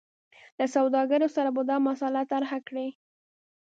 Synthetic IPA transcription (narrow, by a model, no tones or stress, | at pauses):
lasawd̪ɑɡəɾosaɾabad̪ɑmasɑlat̪aɾhakɽe